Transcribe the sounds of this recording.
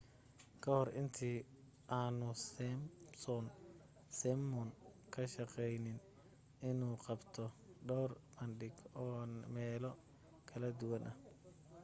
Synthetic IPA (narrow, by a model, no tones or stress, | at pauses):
kʰɐhɔrɪnt̪ʰiː | ʔaːnʊsɛmsɔn | sɛmːɔnkʰɐʃɐqɛjnɪn | ɪnuːqɑbt̪ʰɔɖɔwrbɐnɖɪɡɔːmɛːlɔ | kʰɐlɐd̪ʊwɐnʔɐh